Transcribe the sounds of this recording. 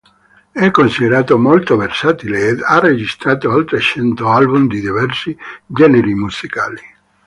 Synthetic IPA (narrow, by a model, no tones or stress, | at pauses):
ɛkːonsid̪eɾaːt̪omolt̪oversaːt̪ileed̪arːed͡ʒist̪ɾaːt̪oalt̪ɾet͡ʃɛnt̪oalbumd̪id̪ivɛrsid͡ʒɛneɾimusikaːli